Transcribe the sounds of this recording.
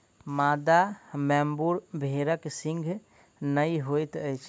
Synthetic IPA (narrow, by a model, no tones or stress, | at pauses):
mad̪amɛmbuɾbʱeɾəksĩŋɡʱ | nəiɦojt̪əjt͡ʃʰ